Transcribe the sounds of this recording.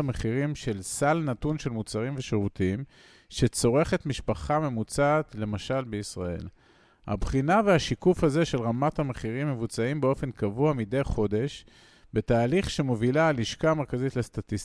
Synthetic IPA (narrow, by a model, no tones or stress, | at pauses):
me̞χiʁimʃe̞lsalnatunʃe̞lmut͡saʁimve̞ʃeʁutim | ʃe̞t͡so̞ʁe̞χe̞tmiʃpaχame̞mut͡saːt̪le̞maʃalbeisʁae̞̰l | ha̰bχinaveaʃikufhaze̞ʃe̞lʁamathameχiʁimːe̞vut͡saimbeo̞fe̞nkavuamide̞jχo̞de̞ʃ | be̞taːliχʃe̞movilaːliʃkame̞ʁkazit̪lestat̪i